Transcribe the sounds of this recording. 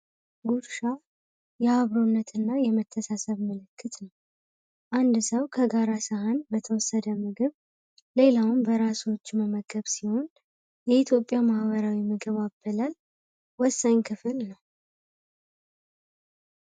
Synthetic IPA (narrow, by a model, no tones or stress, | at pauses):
ɡuɾʃa | jɛhaβɾonːət̪ʰɨnːajɛmət̪ʰːəsasəβməlɨkʰːɨt̪nəw | ʔand̪səwkʰəɡaɾasəɦanbət̪ʰəwɔsːəd̪əmɨɡɨβ | le̞lawmbəɾaso̞t͡ʃːməməɡəβsiho̞n | jɛit̪ʰjo̞pʼːjamahβəɾawimɨɡɨβabːəlal | wɔsːaɲkʰɨfɨlnəw